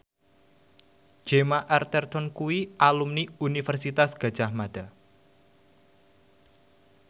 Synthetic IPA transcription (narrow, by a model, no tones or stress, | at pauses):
d͡ʒ̥emaʔɛrt̪ɛrt̪ɔnkuwiʔalumniunifərsit̪asɡ̥a̤̥d͡ʒahmad̥a